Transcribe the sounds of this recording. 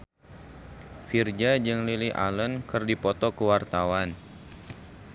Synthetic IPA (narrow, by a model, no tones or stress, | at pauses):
fird͡ʒad͡ʒɨŋliliʔa̰lənkərdipɔt̪ɔkəwart̪awan